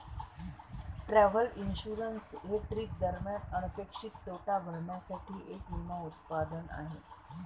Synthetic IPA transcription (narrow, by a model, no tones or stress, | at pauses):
ʈɾɛʋəlinɕuɾənsɦeʈɾiːk̚d̪əɾmjanənəpekʂik̚t̪oʈabʱəɭmjasaʈʰiːʔekumaut̪pad̪əna̰ɦe